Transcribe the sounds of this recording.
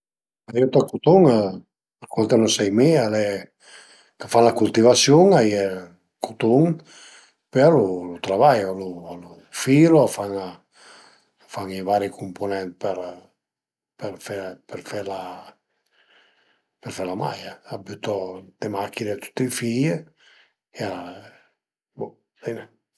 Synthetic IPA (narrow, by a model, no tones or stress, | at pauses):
ajut̪akot̪oŋa | akwɔnt̪enosɛjmialɛ | kafanlakult̪ivasjoŋajɛ | kʰot̪oŋ | pealolut̪ɾavajoloalu | fiɾoafaŋa | faŋivaːɾikʰumponɛnt̪peɾ | peɾfɛpeɾfɛɾla | peɾfɛɾlama̰jaabut̪ɔd̪̥emakːinet̪u̥t̪ːiifije | ea | bu | bine